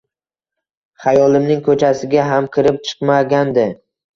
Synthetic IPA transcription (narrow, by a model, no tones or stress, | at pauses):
χajɒlˠɪmnɪŋkʰɵt͡ʃʰasɪɡʲaɦamkʲʰɪɾɪp̚t͡ʃʰɨ̥qmaɡʲand̪ɪ